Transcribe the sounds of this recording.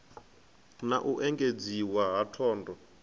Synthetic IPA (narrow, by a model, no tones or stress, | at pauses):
naʔuʔɛŋɡed͡ziwaɦatʰɔːndɔ